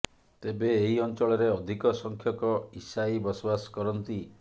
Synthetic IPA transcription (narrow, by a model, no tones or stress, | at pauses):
t̪ebeːɦiɔnt͡ʃɔɭɔɾeɔd̪ʱikɔsɔŋkʰjɔkɔisaibɔsɔbasɔ̥kɔɾɔnt̪i